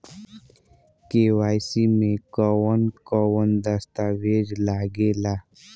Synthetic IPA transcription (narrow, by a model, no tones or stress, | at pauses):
kewaːjsimẽkɔwənkɔwənd̪əst̪awed͡ʒlaːɡelaː